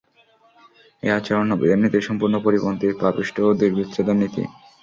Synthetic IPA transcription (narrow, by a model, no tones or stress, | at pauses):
eat͡ɕeɾonobḭd̪anːit̪iʃɔmpuɾnopoɾibont̪ipapiʃʈʰood̪iɾbit̪ːɾed̪onːit̪ḭ